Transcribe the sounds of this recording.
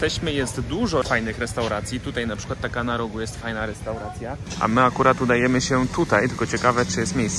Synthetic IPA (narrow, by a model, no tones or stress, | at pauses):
t̪ɛɕmɘjɛst̪d̪uʐɔfajnɘxɾɛst̪awɾat̪sʲjit̪ut̪ajnapʂɘkwat̪ːakanaɾɔɡujɛst̪fajnaɾɛst̪awɾat̪sʲjaʔa̰mɘakuɾat̪ud̪ajɛmɘɕɛt̪ut̪ajt̪ɘlkɔt͡ɕɛkavɛt͡ʂɨjɛst̪mʲejss